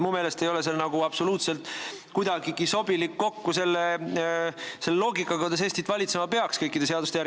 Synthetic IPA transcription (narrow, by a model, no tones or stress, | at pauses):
mume̞ːle̞st̪ejo̞le̞s̬elnɑɡ̥uɑb̥so̞luːt̪selt̪ˑ | kujd̪̥ɑɡiɡ̥iso̞bilikːo̞kːuse̞lːe | se̞lːlo̞ːɡikːˑɑkɑkud̪ɑs̬eːsʲt̪it̪ːˑvɑlʲit̪se̞mɑpe̞ɑkskɤjkˑːid̪eseɑd̪ust̪eæɾ